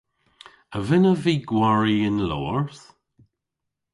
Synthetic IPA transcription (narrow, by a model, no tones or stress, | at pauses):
əvɪnəviːɡwaɹiɪnlɔ̰ːəɹθ